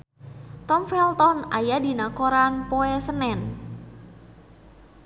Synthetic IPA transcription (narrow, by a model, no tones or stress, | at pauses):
t̪ɔmfɛlt̪ɔnajadinakoɾanpoɛsənɛn